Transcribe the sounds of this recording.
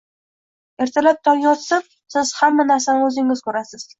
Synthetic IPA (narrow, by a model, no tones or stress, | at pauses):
e̞ɾt̪ʰalap̚t̪ʰɒɾɡʲɒt̪sɪp̚ | sɪz̥hamːanaɾsanɪɵzɪŋɪzkʰɵɾasɪz̥